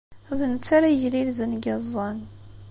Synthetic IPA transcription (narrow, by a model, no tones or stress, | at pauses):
ðənət͡sːaɾaʝlilzənɡɑzˤːɑn